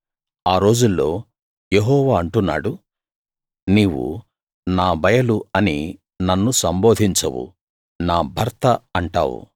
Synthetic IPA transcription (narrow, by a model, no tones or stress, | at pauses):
aːɾo̞ːd͡ʒulːo̞ː | jeɦɔːʋaːɐɳʈunːa̰ːɽu | niːwṵ | naːbɐjɐluɐni | nɐnːusɐmbo̞ːd̪ʱiɲt͡ʃɐ̰wṵ | naːbʱɐɾt̪ɐɐɳʈa̰ːwṵ